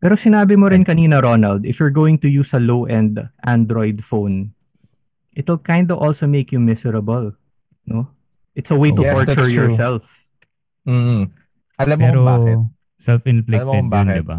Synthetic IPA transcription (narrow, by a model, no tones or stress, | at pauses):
pɛːɾosɪnaːbɪmoɾɪnkɐniːnɐɾonɐld̪ɪfjʊɹɡoːwɪ̃ŋt̪ʊjusɐlowʔɛ̃nd̪ʔãnd̪ɾojd̪fõwn | ʔɪt̪wɪlkãjnd̪ɐʔɔlsomeɪkjʊmɪsɛɹɐbɐl | no | ʔɪt̪sɐwejt̪ʊtɔɹt̪ʊɹt͡ʃjɔɹsɛlf | m̩ː | ɐlɐmpɛːɾobt | sɛlfɪnflɪɛb̪nd̪ɪba̰